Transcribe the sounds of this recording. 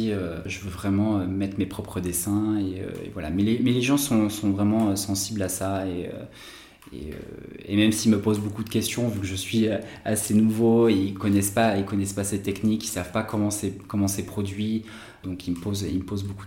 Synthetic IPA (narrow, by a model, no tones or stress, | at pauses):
iøʒəvøvʁɛmɑ̃ømɛt̪χmepχɔpχəd̪esɛ̃eø̰ḛvwala̰mɛlemɛleʒɑ̃sɔ̃sɔ̃vʁɛmɑ̃øsɑ̃siblasaeø̰ | ḛø̰ḛmɛmsilməpozbokud̪əkʲɛst̪jɔ̃vykəʒəsɥiøasenuvoeilkɔnɛspailkɔnɛspasɛt̪ːɛknikisavpakɔmɑ̃sɛkɔmɑ̃sɛpχɔd̪ɥi | d̪ɔ̃kilməpozilməpozboku